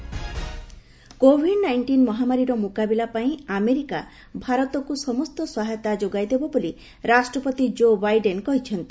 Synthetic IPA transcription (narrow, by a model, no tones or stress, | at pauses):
kobʱiɖnajɳʈinmɔɦamaɾiɾɔmukabilapaĩameɾika | bʱaɾɔt̪ɔkusɔmɔst̪ɔswaɦet̪ad͡ʒoɡajd̪ebɔboli | ɾasʈɾɔpɔt̪id͡ʒobajɖenkɔɦit͡ʃʰɔnt̪i